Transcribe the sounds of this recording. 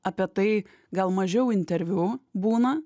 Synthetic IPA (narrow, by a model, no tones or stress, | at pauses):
ɐpʲiɛt̪ɐɪ | ɡɐlˠmɐʒʲɛʊɪnʲt̪ʲɛɾʲʋʲuːbuːnɐ